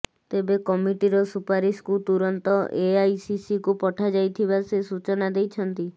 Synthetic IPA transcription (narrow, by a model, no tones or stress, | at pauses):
t̪ebekɔmiʈiɾɔsupaɾiskut̪uɾɔnt̪ɔʔeajsisikupɔʈʰad͡ʒajt̪ʰibasesut͡ʃɔnad̪ejt͡ʃʰɔnt̪i